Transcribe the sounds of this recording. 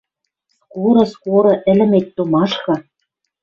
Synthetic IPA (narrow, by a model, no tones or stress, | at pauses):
kuɾɤ̆skoɾɤ̆ʔɘ̆lɘ̆met̪̚ʲt̪umɑʃkɤ̆